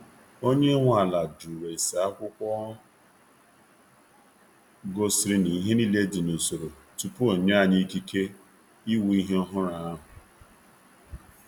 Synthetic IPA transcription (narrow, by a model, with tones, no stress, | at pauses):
o˦ɲe˦ŋʷ˦a˨la˨du˨ɾe˨sa˨a˦kʷʊ˦kʷɔ˦ | ɡo˦sɪ˨ɾi˨ni˨˦ɦe˦ni˦le˦di˨no˨so˨ɾo˨ | tu˨pu˦o˨ɲ˦a˦˨ni˦ki˦ke˦ | i˦wu˨˦i˦ɦe˦ɔ˦ɦʊ˦ɾa˨a˦ɦʊ˨